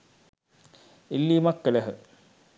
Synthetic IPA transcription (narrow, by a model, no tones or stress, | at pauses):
ilːimɐkːɐlɐɦɨ